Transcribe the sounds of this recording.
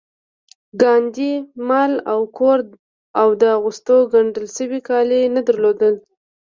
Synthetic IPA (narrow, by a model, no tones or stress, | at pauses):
ɡɑnd̪imalawkʰoɾ | awd̪əaɣust̪oɡaɳɖəlsəwikɑlenad̪əɾlod̪əl